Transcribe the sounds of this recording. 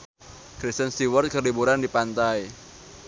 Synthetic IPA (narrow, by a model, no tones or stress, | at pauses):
kɾist̪ənst̪iwərt̪̚kʰərlibuɾandipant̪aj